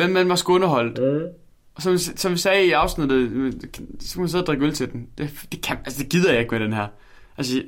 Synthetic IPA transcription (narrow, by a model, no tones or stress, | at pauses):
ʋemːænʋɑ̈sɡ̥ɔ̽nɐɦɒ̽l̰d̥ | ʔɒ̽sɒ̽missɒ̽mʋisɛːiɑ̈ʊsnid̥ð̩ˠʰ | sɒkʰæmænseðˠd̥ʁeɡ̥ølt͡sʰe̝d̥end̥e̝d̥e̝kʰæælsəd̥e̝ɡ̥ið̞̰ˠɐjɑ̈e̝ɡ̥meɾ̥enɦæɐ̰ | ʔæls